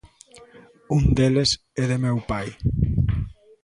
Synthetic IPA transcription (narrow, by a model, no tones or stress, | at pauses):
und̪eles | eðemɛwpaj